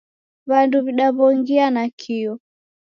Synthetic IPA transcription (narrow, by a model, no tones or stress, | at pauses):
βanduβiɗaβɔŋɡianakʰiɔ